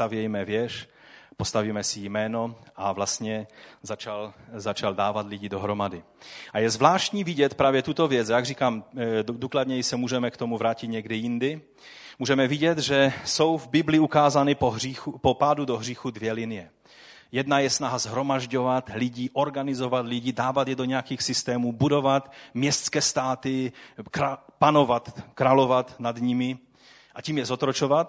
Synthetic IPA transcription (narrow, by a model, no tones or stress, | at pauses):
t̪avjɛjmɛvjɛʃ | post̪aviːmɛsɪjmɛːno̞ʔavlast̪ɲɛzat͡ʃalzat͡ʃaldaːvat̪lɪɟidoɦɾo̞madɪ | ʔajɛzvlaːʃtcɲiːvɪɟɛt̪pɾaːvjɛt̪ut̪o̞vjɛt͡sajaɡriːkaːmduːklad̪ɲɛjisɛmuːʒɛmɛkt̪o̞muvɾaːcɪt̪ɲɛɡdɪjɪndɪ | muːʒɛmɛvɪɟɛt̪ʒɛso̞wvbɪblɪukaːzanɪpixupopaːdudoɦr̝iːxudvjɛlɪnɪjɛ | jɛdnajɛsnaɦazɦɾo̞maʒɟo̞vat̪lɪɟiʔo̞ɾɡanɪzo̞vat̪lɪɟiːdaːvat̪jɛdo̞ɲɛjakixsɪst̪ɛːmuːbudo̞vat̪mɲɛst̪skɛːst̪aːt̪ɪkɾapano̞vat̪kɾalo̞vat̪nad̪ɲɪmɪ | ʔaciːmjɛzot̪ɾot͡ʃovat̪̚